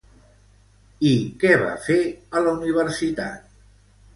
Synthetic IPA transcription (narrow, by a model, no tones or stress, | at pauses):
ikɛβa̰feələuniβ̞əɾsit̪a̰t̪̚